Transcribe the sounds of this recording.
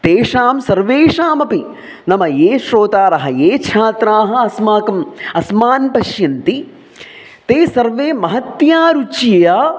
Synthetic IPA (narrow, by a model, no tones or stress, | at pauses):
t̪eːʂaːmsɐɾʋeːʂaːmɐpi | nɐmɐjeːʃɾoːt̪aːɾɐɦɐ̆jeːt͡ʃʰaːt̪ɾaːɦɐ̆ɐsmaːkɐmɐsmaːnpɐʃjɐnt̪i | t̪eːsɐɾʋeːmɐɦɐt̪jaːɾut͡ʃjɐjaː